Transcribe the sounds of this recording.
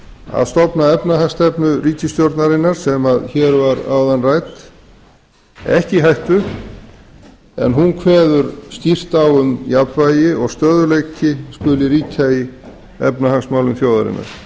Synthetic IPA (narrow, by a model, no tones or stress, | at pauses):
a̰ðst̪ɔpnaɛpnaɦaŋst̪ɛpnʏriːc̪ɪst̪jowɾt̪naɾɪnːaɾ̥sɛmaðçɛːɾvaɾa̰wðanrajt̪ | ɛ̰hcɪɦajht̪vʏ | ɛ̰nɦunkʰvɛːðʏɾsc̪ir̥t̪awʏmjapvaːjɪɔɣst̪œːðʏlejcɪskʏlɪɾiːt̪ʰai | ɛ̰pnahaŋsmaːwlʏmθjoːwðaɾɪ̰nːa̰ɾ̥